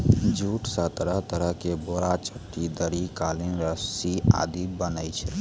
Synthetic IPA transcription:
d͡ʒʱuʈsət̪əɾəɦt̪əɾəɦkeboɾat͡ʃəʈːid̪əɾikalinɾəsia̰d̪ibənəjt͡ʃʰɛ

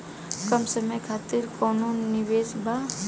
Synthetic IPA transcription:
kɐmsəməjkʰaːt̪iɾkɔːnuːnːɪʋeːsbʱa

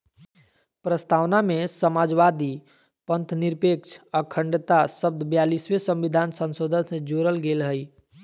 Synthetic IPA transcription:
pɾəst̪ʰawnamesəmad͡ʒʋad̪i | pənt̪niɾpekt͡ʃʰəkʰəɳɖt̪asəb̚d̪ʱbjaliswesə̃mʋid̪ʱansə̃nsod̪ʱənsẽd͡ʒoɾəlɡelɦəj

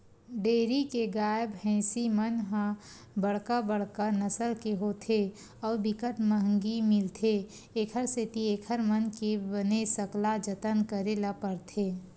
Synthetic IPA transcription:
ɖeːɾikeɡaːjəbɦɛ̃ːsimənɦã | bəɽkabəɽ̤kanəsəlkeɦoːt̪ʰe | ɔːɾbɪkəʈməɦŋɡimɪlt̪ʰe | eːkʰəɾset̪ieːkʰəɾmənkebənesəklad͡ʒət̪ənkəɾelapəɾt̪ʰeː

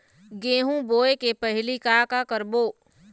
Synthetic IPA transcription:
ɡeːɦũboːekepɐɦlikaːkakəɾboː

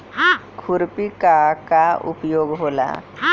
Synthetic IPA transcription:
kʰʊɾpikakaʊ̰pjoːɡɦoːla̰

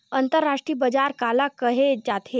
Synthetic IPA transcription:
ənt̪əɾːaʂʈɾiːbəd͡ʑaɾkalakəɦed͡ʑat̪ʰe

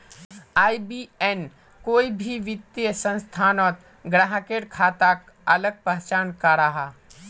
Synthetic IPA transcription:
aːibieːn | koːibʱiʋɪt̪ːjəsə̃nst̪ʰaːnɔːt̪ | ɡɾaɦəkeːɽkʰaːt̪ak | ɐləɡ̚pəɦt͡ʃaːnkaɾaɦaː

